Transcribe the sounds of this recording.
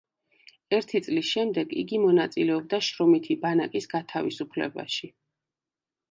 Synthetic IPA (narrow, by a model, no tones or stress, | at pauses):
ɛɾt̪ʰit̪sʼlisʃɛmd̪ɛɡḭɡimɔnat̪sʼilɛɔb̚d̪aʃɾɔmit̪ʰibanakʼisɡat̪ʰavisupʰlɛ̰ba̰ʃi